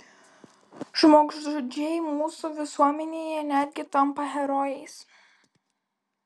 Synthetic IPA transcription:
ʒmoːksʒʊd͡ʒʲɛjmuːsuʋʲɪsuɔmʲɛnʲeːjɛnʲæːd̪ʲɡʲɪt̪ɐmpɐɦʲɛɾɔːjɛɪs

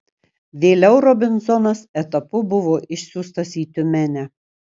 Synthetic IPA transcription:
ʋʲeːlʲɛʊɾɔbʲɪnzɔnɐsɛt̪ɐpʊbʊʋoːʔɪʃʲsʲuːst̪ɐsʲiːt̪ʲʊmʲænʲæ

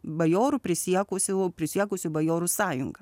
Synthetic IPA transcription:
bɐjoːɾʊpʲɾʲɪsʲiɛkʊsʲʊpʲɾʲɪsʲiɛkʊsʲʊbɐjoːɾusɑːjʊŋɡɐ

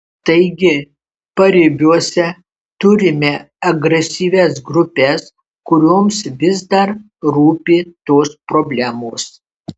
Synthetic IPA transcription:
t̪ɐɪɡʲɪ | pɐɾʲɪbʲuɔsʲɛ | t̪ʊɾʲɪmʲɛ | ɐɡɾʲɛsʲiːʋʲɛsɡɾʊpʲɛs | kʊɾʲoːmsʋʲɪzd̪ɐɾ | ɾuːpʲɪt̪oːspɾobʲlʲæmoːs

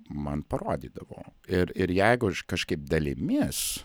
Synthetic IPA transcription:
mɐnpɐroːd̪ʲḭːd̪ɐʋo̰ːɪɾɪɾjɛɪɡʊʃkɐʃkɐɪp̚d̪ɐlʲɪmʲis

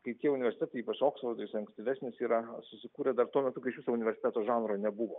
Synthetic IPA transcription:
kɐɪt̪ʲiɛʊnʲɪʋʲɛɾʲsʲɪt̪ʲæt̪ɐɪiːpɐt͡ʃoːksfɐrd̪oɪsʲɐŋksʲt̪ʲɪʋʲæːsʲnʲɪsiːɾɐsʊsʲɪkuːɾʲɛd̪ɐrt̪uɔmʲɛt̪ʊkɐɪɪʃʋiɪsoːʊnʲɪʋʲɛɾʲsʲɪt̪ʲæːt̪oːʒɑːnɾoːnʲɛbuʋoː

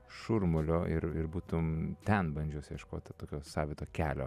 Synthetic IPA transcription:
ʃʊɾmʊlʲoːʔɪɾɪɾbuːt̪ʊmt̪ʲɛnbɐnʲd͡ʒʲuɔsʲjɛʃkoːt̪ʲɐt̪oːkʲoːsɑːʋʲiːt̪oːkʲæːlʲo̰ː

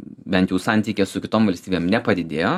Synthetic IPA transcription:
bʲɛnt̪jɛʊsɑnʲt̪ʲiːkʲeːssʊkʲɪt̪oːmʋɐlʲsʲt̪ʲiːbʲeːmnʲɛpɐd̪ʲɪd̪ʲeːjoː

